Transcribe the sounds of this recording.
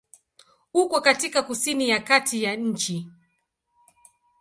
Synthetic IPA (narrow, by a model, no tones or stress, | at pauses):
ukɔkatikakusinijakatʰijaɲ̩t͡ʃi